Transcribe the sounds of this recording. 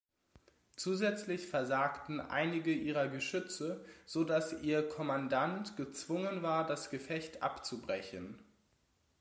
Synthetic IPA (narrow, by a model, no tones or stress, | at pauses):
t͡suːzɛt͡slɪçfɛɐzaːktn̩ʔa̰ɪnɪɡəʔiːʁɐɡəʃʏt͡səz̥odasʔiːɐkʰɔmandantɡ̥ət͡sv̥ʊŋənvaːɐdasɡ̥əfɛçtʔa̰pt͡subʁɛçən